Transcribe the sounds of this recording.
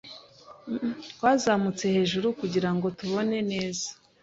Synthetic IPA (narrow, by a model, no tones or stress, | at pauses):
twaːzamut͡se̞he̞ːʒuɾukuɟiɾaŋɡo̞tuβo̞ne̞ne̞ːzḁ